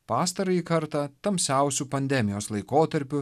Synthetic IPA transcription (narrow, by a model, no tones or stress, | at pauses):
pɑːst̪ɐɾɐikɐɾt̪ɑːt̪ɐmʲsʲæˑʊsʲupɐnʲd̪ʲɛmʲɪjoːslˠɐɪkoːt̪ɐɾʲpʲʊ